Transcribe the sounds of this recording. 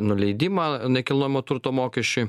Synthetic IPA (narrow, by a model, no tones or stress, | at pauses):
nʊlʲɛɪd̪ʲɪmɑːɪnʲɛkʲɪlˠnoːjɪmot̪ʊɾt̪oːmoːkʲɛʃʲt͡ʃʲʊɪ